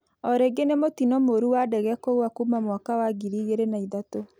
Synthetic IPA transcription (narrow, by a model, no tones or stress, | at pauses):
ɔɾeɡenemotinɔmoɾuwadɛɣɛkoɣwakumamwakawaɡiɾiɣeɾenaiðato